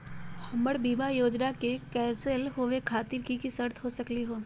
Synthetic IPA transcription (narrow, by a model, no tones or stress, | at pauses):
hɐ̃məɽbiːmajoːd͡ʒnakekɛːsəlɦoːʋekʰaːt̪iɾkikisɐɾt̪ʰɦosɐkliɦoː